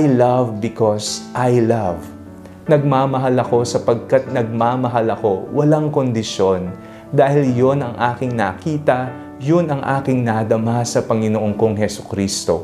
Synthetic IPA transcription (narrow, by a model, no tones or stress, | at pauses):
ʔajlɐvbɪkosʔajlav | nɐɡ̚maːmɐɦalɐko̞sɐpɐɡ̚kat̪̚nɐɡ̚maːmɐɦalɐko̞wʔɐlaŋko̞nd̪ɪʃo̞n | d̪aːhɪljo̞nɐŋʔaːkɪŋnɐkiːt̪ɐ | jonɐŋʔa̰ːkɪŋnɐd̪ɐmasɐpɐŋɪnoʔoŋkoŋhɛsʊ̥kɾiːst̪o̞̰